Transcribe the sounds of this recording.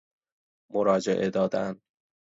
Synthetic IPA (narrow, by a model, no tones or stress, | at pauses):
moɾɒːd͡ʒḛʔed̪ɒːd̪æn